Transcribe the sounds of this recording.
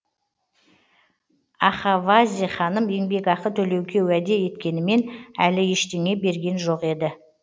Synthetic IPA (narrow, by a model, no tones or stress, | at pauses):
ɑχɑvazʲiχɑnəme̞ŋbe̞kɑqət̪ʰɵle̞wkʲe̞wæd̪e̞je̞t̪kʲe̞nɪme̞nælɪje̞ʃt̪e̞ŋe̞be̞ɾɡʲe̞nʒo̞qe̞d̪ɪ